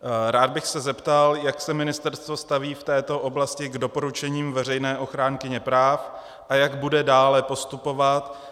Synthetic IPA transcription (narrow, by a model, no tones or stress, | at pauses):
ɾaːd̪̚bɪxsɛzɛpt̪aljaksɛmɪnɪst̪ɛɾst̪vo̞st̪aviːft̪ɛːt̪o̞ʔo̞blascɪɡdo̞po̞ɾut͡ʃɛɲiːmvɛr̝ɛjnɛːʔo̞xɾaːŋkɪɲɛpɾaːf | ʔajaɡbudɛdaːlɛpo̞st̪upo̞vat̪